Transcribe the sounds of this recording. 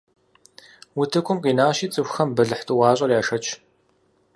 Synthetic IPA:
wʊtʰɨkʷʰʼʊmqʼiːnaːʃiːt͡sʼɨxʷxɐmbɨɮɨħtʰʼɨwɑːɕʼɐrjaːʃɐt͡ʃʰʼ

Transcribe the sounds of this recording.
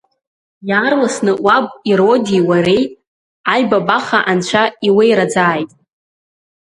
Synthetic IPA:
jaːrlasnɨʔʷwabʼiɾo̞diwaɾejtʼ | ajbabaχaʔant͡ʃʷʰaiwejɾad͡zaːjtʼ

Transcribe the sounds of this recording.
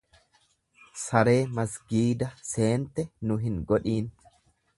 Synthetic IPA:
sɐɾe̞ːmɐsɡiːd̪ɐse̞ːnt̪ːɛnʊɦɪŋɡɔᶑiːn

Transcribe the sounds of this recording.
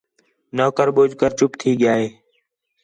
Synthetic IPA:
noːkəɾɓoːd͡ʒʱkəɾt͡ʃʊpt̪ʰiːɠɪjaːɦeː

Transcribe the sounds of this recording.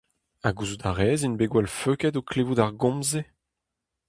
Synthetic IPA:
aɡuzud̪aʁɛːzinbeɡwɛlføkɛtoklevudaʁɡɔ̃mze

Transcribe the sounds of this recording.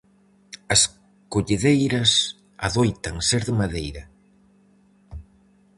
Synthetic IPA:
ɐs | koʎeðejɾɐs | a̰ðojt̪aŋseɾðɪmaðejɾɐ

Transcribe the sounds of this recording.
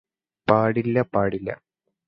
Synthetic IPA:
paːɽilːɐpaːɽilːɐ̰

